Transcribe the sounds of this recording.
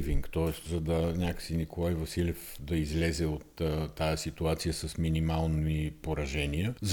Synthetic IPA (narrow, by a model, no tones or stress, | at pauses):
viŋkt̪ɔɛst̪zɐd̪ɐnʲakə̥sinikolˠajvɐsilʲɛfd̪ɐizlɛzɛot̪ːajəsit̪uat̪sijəsɐsminimalˠnipoɾɐʒɛniəz